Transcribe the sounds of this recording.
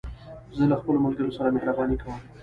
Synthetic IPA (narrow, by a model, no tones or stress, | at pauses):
zəlaxpəlomɐlɡəɾosɐɾameɦɾabɑːnikʰawə̃m